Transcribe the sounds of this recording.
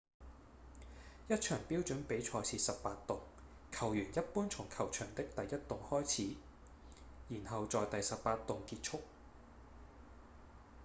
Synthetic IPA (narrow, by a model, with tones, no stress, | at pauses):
jɐ˥t̚t͡ʃʰœː˨˩ŋpiː˥wt͡ʃɵ˨˥npe˨˥jt͡ʃʰɔː˧t͡sʰiː˧sɐ˨ppaː˧tt̪ʊ˨˩ŋ | kʰɐ˨˩wjyː˨˩njɐ˥t̚puː˥nt͡sʰʊ˨˩ŋkʰɐ˨˩wt͡ʃʰœː˨˩ŋt̪ɪ˥k̚t̪ɐ˨jːɐ˥t̚t̪ʊ˨ŋhɔː˥jt͡sʰiː˨˥ | jiː˨˩nhɐ˨wt͡sɔː˨jt̪ɐ˨jsɐ˨ppaː˧t̪ʊ˨ŋkiː˧t̚t͡ʃʰʊ˥k̚